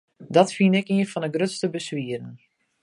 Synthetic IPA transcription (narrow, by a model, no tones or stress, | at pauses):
dɔtfinɪkiənfɔnəɡrøtstəbəsʋiəɾən